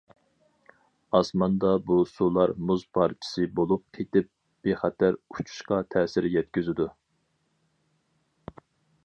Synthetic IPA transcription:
ɑsmɑnd̪ɑbusulˠɑɾmuzpʰɑɾt͡ʃʰi̥sɨbolˠup̚kʰet̪ɪp̚ | b̥eχæt̪ʰæɾut͡ʃʰu̥ʃqɑt̪ʰɛːsɪɾjɛt̪kʲyzɪd̪u

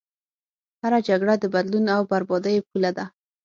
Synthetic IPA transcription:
haɾad͡ʒaɡɽad̪əbad̪lunawbaɾbɑd̪əjepulad̪a

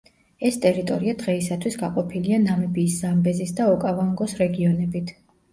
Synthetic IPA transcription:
ɛst̪ʼɛɾit̪ʼɔɾiad̪̥ʁɛisat̪ʰwisɡaqʼɔpʰilianamɛbiːszambɛzisd̪aɔkʼavaŋɡɔsɾɛɡiɔnɛbit̪ʰ

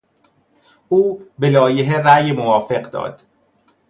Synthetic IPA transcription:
ʔuːbelɒːjeɦeræjemovɒːfe̞ɢd̪ɒ̰ːd̪̥

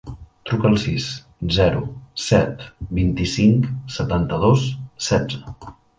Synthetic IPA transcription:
t̪ɾukəlˠsis | zɛɾṵsɛt̪bint̪isiŋksət̪ant̪əðossɛd͡zə

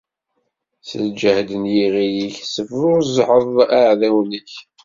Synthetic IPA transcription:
sə̰ld͡ʒəhd̪ənjiʁijiçsəfɾʊɾzħəðˤaʕðæwnəç

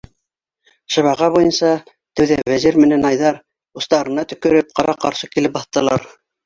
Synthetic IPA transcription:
ʃɤ̆βɑʁɑβujɤnsɑ | t̪ɘ̆wðæβæziɾmɘ̆nænɑjðɑɾ | ust̪ɑɾɤ̆nɑt̪ɵ̆kɵ̆ɾɘp̚qɑɾɑqɑɾʃɤkilɘp̚bɑθt̪ːɤ̆lˠɑ̰ɾ

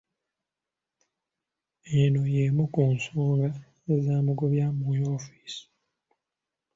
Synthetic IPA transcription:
eno̞jeːmukuːnsoːŋɡa | zaːmuɡoβjaːmujoːfi̥ːsi̥

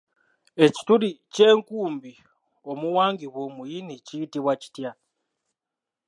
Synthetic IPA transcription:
eci̥tuɾiceːŋkuːmbi | o̞muwaːŋɡiβomujiniciːtiβwaci̥tja

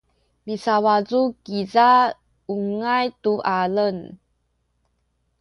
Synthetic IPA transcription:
misawazukiza | uŋajtuʔalən

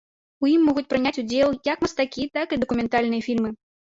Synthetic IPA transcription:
ujimːɔɣut͡sʲpɾɨnʲat͡sʲud͡zʲɛlˠjɐkmɐst̪akʲit̪akɨd̪ɐkumʲɛnt̪alʲnɨjɐfʲilʲmɨ

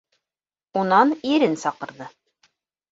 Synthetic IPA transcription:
unɑniɾɘnsɑqɤ̆ɾðɤ

